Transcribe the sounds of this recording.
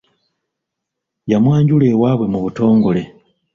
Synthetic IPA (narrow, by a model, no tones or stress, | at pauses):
jamwaːɲɟule̞ːwaːβwe̞muβuto̞ːŋɡo̞le̞